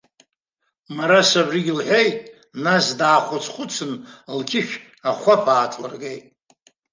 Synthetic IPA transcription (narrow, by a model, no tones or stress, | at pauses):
maɾasabriɡʲɪlħʷᶣejtʼ | nasdaːχʷat͡sʰχʷʼʊt͡sʰɨnlkʲʰɪʃᶣ | aχʷapʰaːtʰʼlɨ̰rɡejtʼ